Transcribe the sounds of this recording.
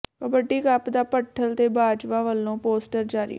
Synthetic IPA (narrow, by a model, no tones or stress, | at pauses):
əbəɖiːkapd̪aːpəʈʰːəlt̪eːbaːd͡ʒʋaːʋəlːõːpoːsʈəɾd͡ʒaːɾḭː